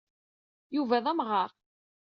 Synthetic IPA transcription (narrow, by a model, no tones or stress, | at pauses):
juvæðˤæmʁɑʁ